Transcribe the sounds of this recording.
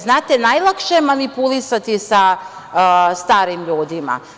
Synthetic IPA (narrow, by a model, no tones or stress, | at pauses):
znaːt̪enajlˠakʃemanipulisat̪isa | st̪aːɾimʎuːd̪ima̰